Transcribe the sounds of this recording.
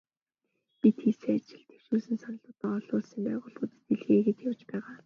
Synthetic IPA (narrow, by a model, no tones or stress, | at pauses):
pit̪xiːseːat͡ɕɪ̆ɮt̪ʰe̥w̥ʃuːsɘ̆nsanə̆ɮʊːt̪əɔɮʊːɮsiːmpæːʁʊːɮpuːt̪ɘt̪iɮɣeːɣet͡ɕ̪jawt͡ɕpæːʁaː